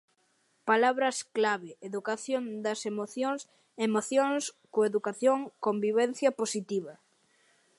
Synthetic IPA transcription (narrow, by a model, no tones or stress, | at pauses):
palaβɾɐsklaβɪeðukaθjond̪ɐsemoθjos | emoθjoŋskoeðukaθjoŋkombiβɛn̟θjɐposit̪iβɐ